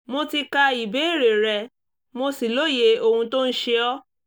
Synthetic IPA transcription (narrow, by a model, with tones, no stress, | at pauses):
mo˧ti˧ka˧i˨be˨˦i˦˨ɾe˨ɾɛ˧ | mo˧si˨lo˦˨je˧˦o˧hũ˧to˦n̩˦ʃe˦ɔ˦